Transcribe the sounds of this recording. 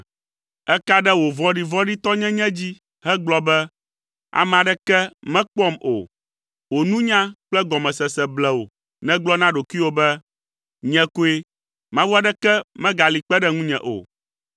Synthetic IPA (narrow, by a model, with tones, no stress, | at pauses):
ɛ˦ka˦ɖɛ˦wo˨vɔ̃˦ɖi˦˨vɔ̃˦ɖi˦t̪ɔ˦ɲɛ̃˦ɲɛ̃˦d͡ʑi˦ | ɦɛ˦ɡ͡blɔ˦bɛ˦ | a̰˨mɛ̃˨a˨ɖɛ˦kɛ˦mɛ̃˦k͡pɔ˦mʔo̰˨ | wo˨nũ˦ɲã˦k͡plɛ˦ɡɔ˨mɛ̃˨sɛ˨sɛ˨blɛ˨wo̰˨ | nɛ̃˦ɡ͡blɔ˦nã˦ɖo˨kʷi˦wo˦bɛ˦ | ɲɛ̃˦ko˦e˦ | mã˦vu˦a˦ɖɛ˦kɛ˦mɛ̃˦ɡa˨li˨k͡pɛ˦ɖɛ˦ŋũ˦ɲɛ̰̃˨ʔo̰˨